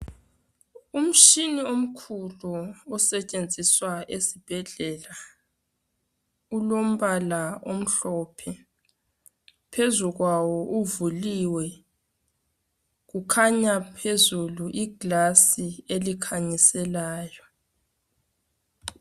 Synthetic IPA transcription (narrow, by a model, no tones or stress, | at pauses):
um̩ʃiniom̩kʰuluɔsɛt͡ʃʼend͡zʱiswaesib̥ʱɛɮɛla | ulom̩βalaom̩ɬɔpʰɛ | pʰezuɣwawɔʔuvuliwɛ | ɣukʰaɲapʰezuluʔiɡ̥lasielikʰaɲisɛlaːjɔ